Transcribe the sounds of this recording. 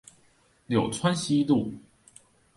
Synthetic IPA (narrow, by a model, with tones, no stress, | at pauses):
ljo˨˩ʊt͡sʰwa˦nɕi˦lu˥˨